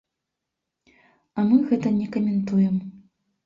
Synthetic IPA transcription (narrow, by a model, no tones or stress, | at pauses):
ɐmɨɣɛt̪ɐnʲɛkɐmʲɛnt̪ujɛm